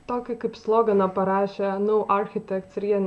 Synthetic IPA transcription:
t̪oːkʲɪkɐɪpslˠoːɡɐnɐpɐɾɑːʃʲɛnɐʔɐɾʲxʲɪt̪ʲɛkt̪sʲɾʲiɛnʲ

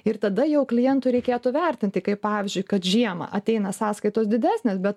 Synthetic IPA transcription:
ɪrt̪ɐd̪ɐjɛʊklʲɪjɛnt̪ʊɪɾʲɛɪkʲeːt̪ʊʋʲɛrʲt̪ʲɪnʲt̪ʲɪkɐɪppɑːʋʲɪzʲd͡ʒʲʊɪkɐt̪ʒʲiɛmɐ̰ʔɐt̪ʲɛɪnɐsɑːskɐɪt̪oːsd̪ʲɪd̪ʲæːsʲnʲeːsbʲɛt̪

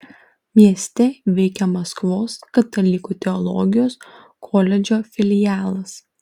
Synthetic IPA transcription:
mʲiɛsʲt̪ʲɛʋʲɛɪkʲɛmɐskʋoːskɐt̪ɐlʲɪkuːt̪ʲɛɔlˠɔ̰ɡʲɪjoːs | kʰɔːlʲɛd͡ʒʲoːfʲɪlʲɪjæːlˠɐs

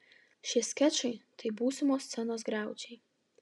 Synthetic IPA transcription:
ʃʲiɛsʲkʲæt͡ʃɐɪt̪ɐɪbuːsʲɪmoːst̪sʲɛnoːsɡɾɑˑʊd͡ʒʲɛɪ

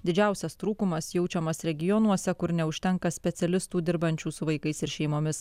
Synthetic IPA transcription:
d̪ʲɪd͡ʒʲæˑʊsʲɛst̪ɾuːkʊmɐsjɛʊt͡ʃʲɛmɐsɾʲɛɡʲɪjɔnuɔsʲɛkʊɾnʲɛʊʃʲt̪ʲɛŋkɐsʲpʲɛt̪sʲɛlʲɪst̪uːd̪ʲɪɾbɐnʲt͡ʃʲuːsʊʋɐɪkɐɪsɪɾʃʲɛɪmoːmʲɪs

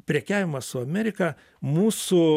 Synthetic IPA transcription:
pʲɾʲɛkʲæːʋʲɪmɐsʊɐmʲɛɾʲɪkɐ | muːsʊ

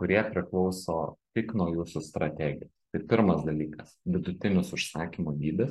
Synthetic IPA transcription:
kʊɾʲiɛpʲɾʲɪklˠɒʊsoːt̪ʲɪknuːjuːsʊst̪ɾɐt̪ʲæːɡʲɪjosst̪ɐɪpʲɪɾmɐsd̪ɐlʲiːkɐsʋʲɪd̪ʊt̪ʲɪnʲʊsʊʃsɑːkʲimoːd̪ʲiːbʲɪs

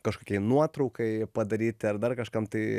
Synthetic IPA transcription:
kɐʃkoːkʲɛɪnuɔt̪ɾɐʊkɐɪpɐd̪ɐɾʲiːt̪ʲɐrd̪ɐrkɐʃkɐmt̪ɐɪ

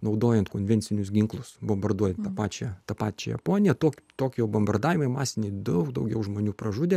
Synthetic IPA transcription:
nɐʊd̪oːjɛnt̪koːnʲʋʲɛnʲsʲɪnʲʊsɡʲɪŋklˠʊsbombɐrd̪uɔjɛnt̪ɑpɑːt͡ʃʲɛt̪ɐpɑːt͡ʃʲɛ̰jɛ̰poːnʲɪjɛt̪oːkʲt̪oːkʲjɛʊbɐmbɐrd̪ɑːʋʲɪmɐɪmɑːsʲɪnʲɛɪd̪ɐʊkd̪ɐʊɡʲɛʊʒmoːnʲuːpɾɐʒuːd̪ʲeː

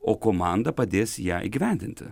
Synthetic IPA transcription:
oːkoːmɑˑnd̪ɐpɐd̪ʲeːsʲjæːʔḭːɡʲɪʋʲæˑnʲd̪ʲɪnʲt̪ʲɪ̰

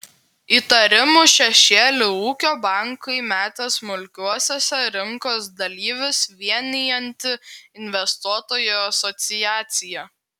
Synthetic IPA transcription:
iːt̪ɐɾʲɪmuʃʲɛʃʲeːlʲɪuːkʲoːbɑˑŋkɐɪmʲæːt̪ʲeːsmʊlʲkʲuɔsʲoːsʲɛɾʲɪŋkoːsd̪ɐlʲiːʋʲɪsʋʲiɛnʲɪjɛnʲt̪ʲɪɪnʲʋʲɛst̪uɔt̪oːjoːɐsɔt̪sʲɪjæːt̪sʲɪjɛː

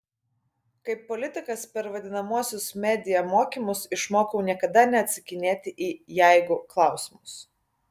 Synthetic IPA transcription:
kɐɪpːɔlʲɪt̪ʲɪkɐspʲɛɾʋɐd̪ʲɪnɐmuɔsʲʊsmʲɛːd̪ʲɪjɛmoːkʲimʊsɪʃmoːkɐʊnʲiɛkɐd̪ɐnʲɛɐt̪ʲsʲɪkʲɪnʲeːt̪ʲɪʔiːjæɪɡʊklˠɑˑʊsʲɪmʊs

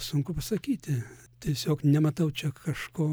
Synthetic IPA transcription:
sʊŋkʊpɐsɐkʲiːt̪ʲɪt̪ʲiɛsʲoːknʲɛmɐt̪ɐʊt͡ʃʲɛkɐʃkoː

